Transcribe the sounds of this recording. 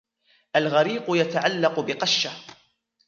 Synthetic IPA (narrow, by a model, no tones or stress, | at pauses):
ʔalɣaɾiːqʊjat̪aʕalːɑqʊbɪqɑʃːa